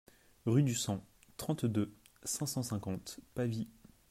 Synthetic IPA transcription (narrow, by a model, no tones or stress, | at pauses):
ʁyd̪ysɑ̃ | t̪χɑ̃t̪d̪ø | sɛ̃sɑ̃sɛ̃kɑ̃t̪pavi